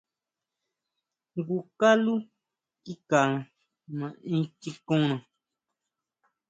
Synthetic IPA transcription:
ŋɡu˨ka˦lu˦ | ki˦ka˨ | mã˨ĩ˦ki˦kõ˦nã˨

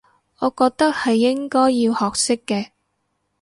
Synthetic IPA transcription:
ɔː˨˧kɔː˧k̚t̪ɐ˥k̚hɐ˨jːɪ˥ŋkɔː˥jːiː˧whɔː˨k̚sɪ˥kːɛː˧

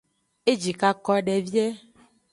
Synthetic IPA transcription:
e˦d͡ʒi˨ka˦kɔ˦ɖɛ˨vi˦ɛ˦

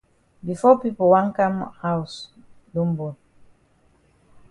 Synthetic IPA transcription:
bi˨fɔ˦pi˦pɔ˨wa˦ŋka˦mha˦u˨s | du˦mbu˨n

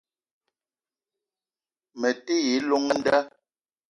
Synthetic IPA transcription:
mɛ˨te˦je˨˦lo˦ŋɛ˦n̩˦da˦

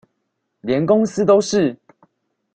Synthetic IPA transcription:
ljɛ˨˦nkʊ˥˦ŋs̩˥t̪o˥ʊʂɻ̩˥˨

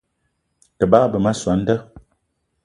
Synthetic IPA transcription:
tə˨ba˦bə˨ma˦swa˨˦n̩˦də˦

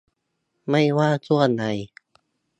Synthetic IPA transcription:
ma˥˩jwaː˥˩t͡ɕʰu˥˩əna˧˦j

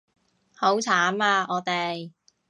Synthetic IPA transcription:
ho˨˥wt͡sʰaː˨˥maː˧ʔɔː˨˧t̪e˨j

